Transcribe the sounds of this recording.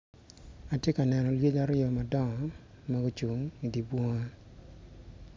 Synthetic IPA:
a˨tje˦ka˨nɛ˨nɔ˨lje˦d͡ʒa˦ɾɪɔ˨ma˨dɔ˦ŋɔ˨ | ma˦ɡo˦t͡ʃu˨ŋi˨di˨bwo˦ŋa˦

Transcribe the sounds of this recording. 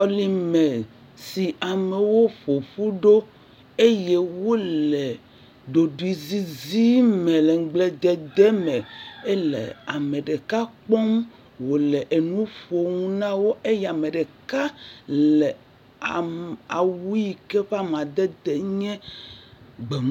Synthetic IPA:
ɔ˦li˦mɛ˨ | si˨a˨me˨wo˦ɸo˨ɸu˦ɖo˦ | e˦je˦wo˦le˨ | ɖo˨ɖu˨i˨zi˦zi˦mɛ̃˨le˨ŋ̩˦ɡ͡ble˨d̪ɛ˨d̪ɛ˦mɛ˨e˦lḛ˨a˨me˨ɖe˨ka˦k͡pɔ˦m | wo˨le˨ʔe˨nũ˦ɸo˨ŋũ˦nã˦wo˦ʔe˦ja˨me˨ɖe˨ka˦llɛ˨ | a˨a˨wu˦ji˨kɛ˦ɸa˦m˨ã˨d̪ɛ˦d̪e˨ɲɛ̃˦ | ɡ͡be˨˦

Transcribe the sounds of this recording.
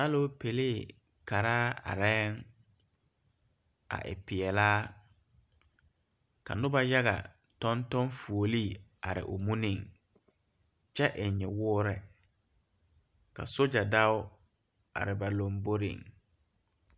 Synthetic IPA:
a˦lo˦pʰe˨leː˦˨ | kʰa˨ɾaː˦a̰˨ɾɛ˦ŋ | a̰˨ʔɪ̰˨pɪ˨ɛ˨laː˦ | ka̰˨nʊ̃˦ba˦ja˦ɣa̰˨ | tɔ̃˦ntɔ̃˦nfu˨o˨liː˦˨a̰˨ɾɪ̰˨ʔo˨mũ˦nɪ̃˨ŋ | t͡ʃɛ˦ʔɪ˨ɲɛ˨wʊː˦ɾɛ˨ | ka̰˨so˦d͡ʒa˨da˦ʊ˦ | a̰˨ɾɪ˨ba˨lõ˨mbo˦ɾɪ̰̃˨ŋ

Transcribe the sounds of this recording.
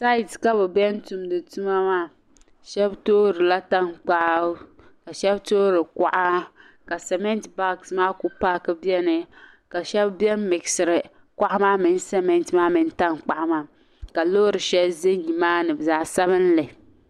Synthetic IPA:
sa˦˨tka˦bɛ˨bɛ˦n˦tu˨mdɨ˨tu˦ma˦maː˦˨ | ʃɛ˦btoː˦ɾɨ˨la˦ta˦ŋk͡pa˦ | ka˨ʃɛ˦btoː˦ɾɨ˨ka˨ʔa˦ | ka˨sɛ˨mɛ˦ntba˦ksmaː˦ku˦paː˦kɨ˦bi˦ɛ˦nɨ˨ | ka˨ʃɛ˦bbjɛ˦n˦mɪ˨ksɨ˨ɾɨ˨ | ka˦ʔa˦maː˦mɪ˨n˦sɛ˦mɛ˦ntmaː˦mɨ˨˦n˦ta˦ŋk͡pa˨ʔa˦maː˦ | ka˨lo˦ɾɨ˨ʃɛ˦bzɨ˦ɲi˨maː˦nɨ˨bzaː˨˦sa˦βɨ˦n˦lɨ˨

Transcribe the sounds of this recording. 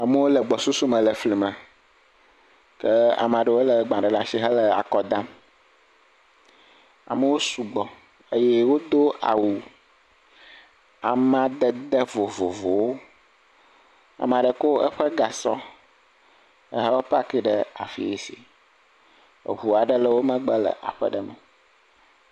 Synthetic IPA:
a˨mə˦wo˦lə˨ɡ͡bɔ˨su˦su˦mə̃˨lə˨fli˨mə̃˨ | kɛ˦a̰˨mã˨ɖɛ˨wo˦lə˨ɡ͡bã˨ɖɛ˨la˦ʃi˦ɦə˦lɛ˨a̰˨kɔ˦d̪ã˦m | a̰˨mə˦wo˦su˨ɡ͡bɔ˨ | ə˦jɛ˦wo˦d̪o˦a̰˨wu˨ | a˨mã˦d̪ə˦d̪ə˦vo˨vo̰˨vo˨wo˦ | a̰˨m˨ã˨ɖə˨ko˦ə̰˦ɸə˦ɡa˨sɔ˦ | ə˦ɦə˦wo˦pa˦ki˦ɖə˦a˨fḭ˨ḛ˨sḭ˨ | ɦu˨a˨ɖə˦lə˦wo˦mə̃˦ɡ͡bə˦lə̰˨ʔa̰˨ɸə̰˦ɖə˦mə˨

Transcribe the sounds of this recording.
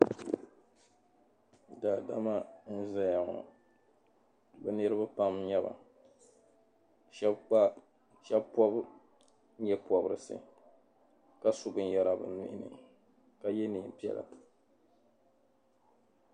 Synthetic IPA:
daː˨da˦ma˦n̩˦za˦ja˨ŋɔ̰˨ | bɨ˨nɨ˦ɾɨ˦ba˦pa˦mɲɛ˦ba̰˨ | ʃɛ˦bk͡pa˦ | ʃɛ˦bpɔ˦b | ɲɛ˦pɔ˨bɨ˨ɾɨ˨sɨ̰˨ | ka˦su˦bɨ˦n˦ja˦ɾa˨bɨ̰˨nɪ˦ʔɪ˦nɨ̰˨ | ka˨jɛ˦niː˨m˨pi˦ɛ̰˦la̰˨

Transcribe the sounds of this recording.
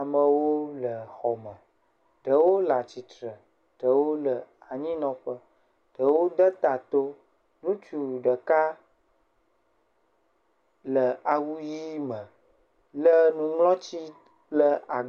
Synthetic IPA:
mə̃˨wo˦lə˨xɔ˨mə̃˨ | ɖ̥ə˨wo˦la˨t͡ɕi˨t̪ɾə˨ | ɖ̥ə˨wo˦lə˨a˨ɲĩ˦nɔ̃˦ɸə˦ | ɖ̥ə˨wo˦d̪ə˦t̪a˨t̪o˦ | nũ˦t͡ʃu˨ɖə˨ka˦ | lə˨a˨wu˦ji˦mə̃˨ | lə˦nũ˦ŋlɔ̃˦t͡ɕi˦ | plə˦a˨

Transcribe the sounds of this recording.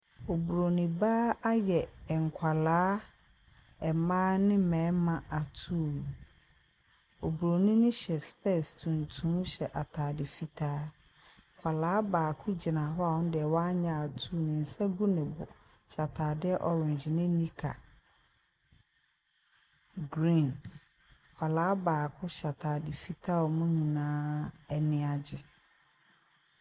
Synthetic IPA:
o˨bu˨ɾo˨nĩ˨baː˦a˦jɛ˨ŋ̩˨kʷʰa˨laː˦ | ɛ˨mãː˦nɪ̃˦mɛ̃ː˨˦mã˨ʔa˨tʰuː˦˨ | o˨bu˨ɾo˨nĩ˦nɪ̃˦ɕɛ˨spɛ˦˨stʰũ˨ntʰũ˦ɕɛ˨ʔa˨tʰaː˨dɪ˨fi˨tʰaː˦ | kʰʷa˨laː˨˦baː˨kʰʊ˦d͡ʑi˨nã˨ɦɔ˦a˦˨wɔ̃˦n˦dɪ˨ɛ˨wɔ˦a˦ɲã˦˨a˨tʰu˦˨nɪ̃˨n̩˨sɛ˦ɡu˦nɪ̃˨bʊ̰˨ | ɕa˨tʰaː˨dɪ˦ɛ˦ʔɔ˨ɾʊ̃˨ɲ˨d͡ʑɪ˨nɪ̃˦nĩ˦kʰa̰˨ | ɡɾĩ˦˨n | kʰʷa˨laː˨˦baː˨kʰʊ˦ɕa˨tʰaː˨dɪ˨fi˦tʰa˦ɔ˨mʊ̃˦ɲĩ˨nãː˦ɛ˨nɪ̃˦a˨d͡ʑɪ˨

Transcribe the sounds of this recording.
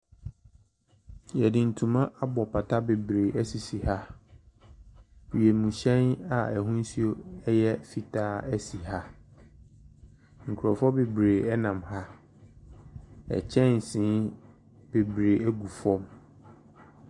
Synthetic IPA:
jɛ˨dɪ̃˨n̩˨tʰũ˨mã˦ʔa˦bɔ˨pʰa˨tʰa˦be˨bɾeː˨ʔæ˦si˨si˨ha˦˨ | je˨mũ˨ɕɛ̃˦na˨æ˨ɦũ˦n˦si˦o˦ɛ˦jɛ˦fi˦tʰaː˦æ˦si˨ɦa˦ | ŋ̩˨kʰu˨ɾɔ˨fɔ˦be˨bɾeː˨ɛ˦nã˨mha˦ | ɛ̰˨t͡ɕʰɛ̃˦n˨sĩ˨˦ | b̥e˨bɾeː˨æ˦ɡu˨fɔ̃˦m

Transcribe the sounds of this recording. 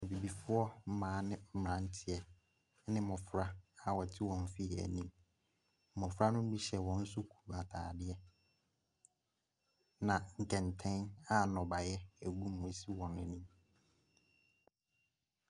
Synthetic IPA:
ɔ˨bi˨bi˨fʊ˦ɔ˦m̩˦mãː˨˦nɪ̃˦m̩˦m˨ã˨˦n̩˦tʰɪ˨ɛ˨˦ | nɪ̃˦mɔ̃˨fɾa˦a˨wɔ˨tʰɪ˦wɔ̃˨ɱ˦fi˦˨æ̰˨nĩ˦m̩˨ | ɔ̃˨fɾa˦nʊ̃˦m˦bi˦ɕɛ˨wɔ̃˨n̩˦sʊ˦kʰu̥˨a˨tʰaː˨dɪ˦ɛ˦ | nã˨ŋ̩˨kʰɛ̃˨ntʰɛ̃˦na˨nɔ̃˨ba˨jɛ˦æ˨ɡũ˦m̩ː˨ʊ̃˨˦si˦wɔ̃˨nɛ˨nĩ˦m

